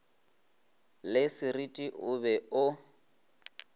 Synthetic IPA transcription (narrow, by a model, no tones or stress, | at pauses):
lɪsɪritʼiʔʊbɛʊ